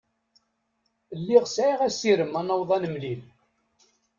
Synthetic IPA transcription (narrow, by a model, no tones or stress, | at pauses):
lːiʁsʕiʁæsiɾəmːænːɑwðˤɑnəmlil